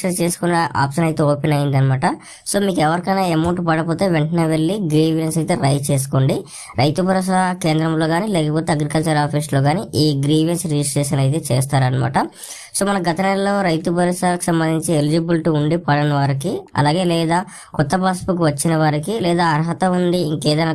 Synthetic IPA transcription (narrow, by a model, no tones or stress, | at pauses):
ɐɾt͡ʃe̞ːsu̥kunːaʔa̰ːpʂɐnɐjt̪e̞ːoːpenɐjind̪ɐnɐmaːʈɐ | so̞ːmiːkɛʋɐɾikɐjnaːemɐwɳʈpɐɽɐpoːt̪e̞ːʋeɳʈɐneːʋe̞ɭːiɡɾiːʋensɐjt̪e̞ːɾɐjt͡ʃe̞ːs̬u̥koːɳɖi | ɾɐjt̪ubʱɐɾɐʃ̬ake̞ːnd̪ɾɐmlo̞ːɡaːnilɛːkɐpoːt̪e̞ɐɡɾikɐlt͡ʃɐɾaːpʰiːslo̞ːɡaːniʔiːɡɾiːʋjensɾed͡ʒisʈɾeːʂɐnɐjt̪̬e̞ːt͡ʃḛːst̪aːɾɐnɐma̰ːʈɐ | so̞ːmɐnɐɡɐt̪ɐnello̞ːɾɐjt̪ubʱɐɾɐʃaːlɐku̥sɐmbɐnd̪iɲt͡ʃielid͡ʒibulʈiuɳɖipɐɽɐnɐʋaːɾikiɐ̰laːɡe̞ːlɛːd̪aː | kɔt̪ːɐpaːspuk̬uʋɐt͡ʃːinɐʋaːɾikilɛːd̪aːɐɾɐɦɐt̪ɐund̪iiŋkɛːd̪ɐjnɐ